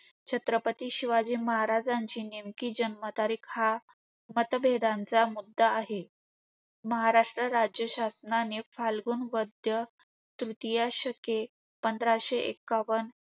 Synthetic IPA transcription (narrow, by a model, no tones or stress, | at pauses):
t͡ɕʰət̪ɾəpət̪iːɕiʋad͡ʑiːməɦaɾad͡zaɲt͡ɕiːnimkiːd͡ʑənmət̪aɾiːkha | mət̪bʱed̪ãnt͡samud̪ːaːɦe | məɦaɾaʂʈɾəɾad͡ʑjəɕasnanefalɡuːnʋəd̪jə | t̪ɾut̪ijaɕəke | pənd̪ʱɾaɕeʔḛkːaʋən